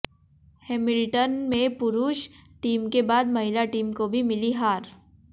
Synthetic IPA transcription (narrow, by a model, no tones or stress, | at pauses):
heːmɪlʈənmẽpʊɾuːʃʈiːmkebaːd̪mɐɦɪlaʈiːmkobʱimɪliɦaːɾ